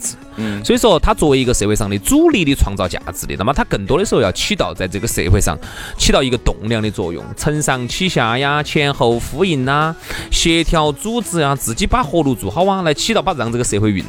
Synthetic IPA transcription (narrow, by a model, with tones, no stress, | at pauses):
t͡sɹ̩˧˩ | swɔ˧˥i˧˥ʂ̩˥xo˧ʊt̪ʰa˥t͡swɔ˥˩we˧˥ɪi˧˥ɡə˧se˧˥ɪwe˥˧ɪɑ˥˧ŋli˧˩t͡su˥li˥˧li˧˩t͡sʰwɑ˥˧ŋt͡sɑ˥˧ʊt͡ɕja̰˧˥t͡sɹ̩˥˩li˨˩na˥mə˧˩t̪ʰa˥ə˨˩nt̪wɔ˥ə˨ʂ̩˥xjɑ˥˧ʊt͡ɕʰi˥t̪ɑ˥˧ʊt͡sa˥˧ɪt͡sɤ˥˩ɡə˩se˧ɪxwe˥˧ɪʂɑ̰˥˧ŋt͡ɕʰi˥ɑ˥˧ʊi˧˥ɡə˧t̪ʊ˨˩ŋljɑ˥˧ŋd̪i˧t͡swɔ̰˥˧jʊ̰˥˩ŋt͡sʰə˧˥nʂɑ˥˧˩ŋt͡ɕʰi˥ɕja˧˥ja˧t͡ɕʰjɛ˥nxo˧˩ʊfu˧˥i˨˩na˧ɕjɛ˧˥t̪ʰjɑ˥˩ʊt͡su˥t͡sɹ̩˥˧a˧t͡sɹ̩˨˩t͡ɕi˥pa˥xwɔ˥˧lu˥˩t͡su˨˩xɑ˥ʊa˥la˧˥ɪt͡ɕʰi˥t̪ɑ˥˧pa˥˩˧t͡sɤ˥˩ɡə˩se˧ɪxwe˥˧ɪy˨˩n˥